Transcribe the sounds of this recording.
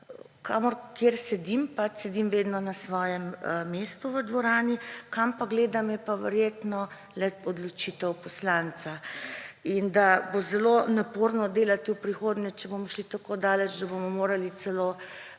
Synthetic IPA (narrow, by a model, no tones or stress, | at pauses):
kʰaːmɔɾkjeːɾsɛd̪impat͡ʃsɛd̪imʋeːd̪nɔnasʋɔːjɛmːeːst̪uʋəd̪ʋɔɾaːnikampaɡleːd̪amjɛpaʋɛɾjeːt̪nɔ | lɛɔd̪lɔt͡ʃiːt̪ɛwpɔslant̪sa | ind̪abozɛlonapoːɾnɔd̪eːlat̪iwpɾixoːd̪nɛt͡ʃɛbomɔʃlit̪akod̪aːlɛt͡ʃd̪abomɔmoːɾalit̪sɛloː